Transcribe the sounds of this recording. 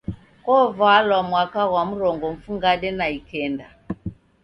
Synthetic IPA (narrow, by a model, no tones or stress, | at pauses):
kɔvalwamwakaɣwamuɾɔŋɡɔɱ̩fuŋɡaɗɛnaikɛnda